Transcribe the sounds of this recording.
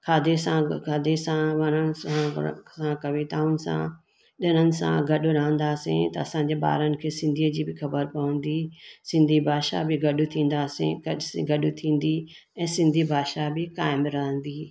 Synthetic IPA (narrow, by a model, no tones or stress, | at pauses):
kʰaːd̪esãkʰaːd̪esãʋɐnənɪ̆sãsãkɐʋit̪aːʊnɪ̆sã̰ | ɗɪənənɪ̆sã̰ɡɐɗʊɾɐɦə̃nd̪aːsḭ̃t̪ɐɐsãːɲ̆d͡ʑeɓa̰ːɾənɪ̆kʰeːsɪ̃nd̪ʱiəd͡ʑiːbɪxɐbəɾpɐʋə̃nd̪isɪ̃nd̪ʱibʱaːʃa̰bɪɡɐɗʊt̪ʰĩːn̆d̪aːsḭ̃ɐsɡɐɗʊt̪ʰĩːn̆d̪i | ɛ̃ːsɪ̃nd̪ʱibʱaːʃabɪkaːɪmɾɐɦə̃nd̪iː